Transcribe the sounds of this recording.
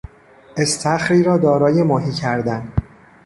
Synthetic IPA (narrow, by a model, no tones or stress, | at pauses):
e̞st̪ʰæxɾiːɾɒːd̪ɒːɾɒːje̞mɒːɦiːcʰæɾd̪æn